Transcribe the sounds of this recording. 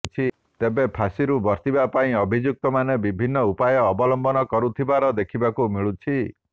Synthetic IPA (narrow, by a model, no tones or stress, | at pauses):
t͡ʃʰi | t̪ebepʰasiɾubɔɾt̪ibapaĩɔbʱid͡ʒjuk̚t̪ɔmanebibʱinːɔupajɔːbɔlɔmbɔnɔkɔɾut̪ʰibaɾɔd̪ekʰibakumiɭut͡ʃʰi